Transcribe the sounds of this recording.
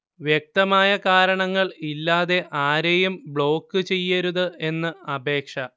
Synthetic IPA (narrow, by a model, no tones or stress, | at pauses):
ʋjek̚t̪ɐmaːjɐkaːɾɐɳɐŋːɐɭilːaːðe̞ʔaːɾejumbɭo̞ːkːɨt͡ɕe̞jːɐɾuðɨe̞nːɨɐbʱe̞ːkʂɐ